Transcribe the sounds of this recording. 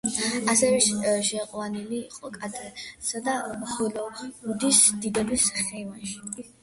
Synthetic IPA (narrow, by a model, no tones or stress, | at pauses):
asɛɾɛʃʃɛqʼwaniliːqʼɔkʼad̪ɛsad̪amχʰɔlɔud̪isd̪id̪ɛbisχɛvanʃi̥